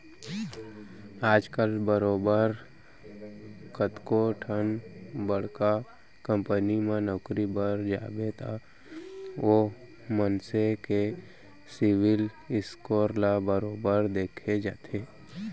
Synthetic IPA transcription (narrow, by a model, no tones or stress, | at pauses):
aːd͡ʒkəlbəɾoːbəɾ | kət̪koʈʰənbəɽ̤ka | kə̃mpənimẽnɔːkɾibəɾd͡ʒa̰ːbet̪ʰa | ʋo | mənseke | sɪwɪl | ɪskoːɾlabəɾoːbəɾd̪eːkʰed͡ʒa̰ːt̪ʰeː